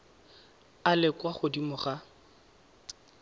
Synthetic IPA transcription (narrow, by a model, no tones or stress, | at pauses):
alɪkwaχʊdimʊχa